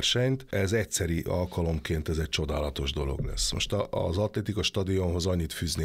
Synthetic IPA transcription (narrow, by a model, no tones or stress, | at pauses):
rʃɛɲt̪ɛzɛcsɛɾiʔɒ̰lkɒlo̞mkeːnt̪ɛzɛc̚t͡ʃo̞d̪aːlɒt̪o̞ʒd̪o̞lo̞̰ɡlɛ̰sːmo̰ʃt̪ɒ̰zɒt̪lɛt̪ikɒʃt̪ɒd̪io̞mɦo̞zɒɲːit̪fyːzneː